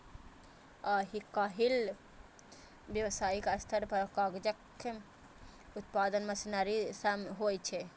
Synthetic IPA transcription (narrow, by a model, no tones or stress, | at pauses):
aɦikaɦil | bjəwsaikəst̪ʰəɾpəɾkaɡd͡ʒək | ut̪pad̪ənməsinaɾisəmɦojt͡ʃʰɛ